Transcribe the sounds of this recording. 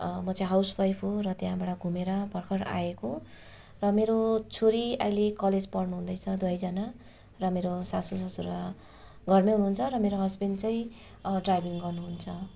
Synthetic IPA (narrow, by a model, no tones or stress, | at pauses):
mʌt͡sʌj̃ɦawsbajpʰorʌt̪jãbaɽʌɡʱumeɾʌbʱʌrkʰʌɾa̰eko | rʌmeɾot͡sʰoɾiajlekʌled͡zpʌrnuɦũd̪ʌjt͡sʰʌd̪ʌjd͡zʌna | rʌmeɾosasosasuɾa | ɡʌrmeɦunuɦunt͡sʰʌɾʌmeɾoɦʌsbent͡sʌj̃ | ɖrajbiŋɡʌrnuɦunt͡sʰʌ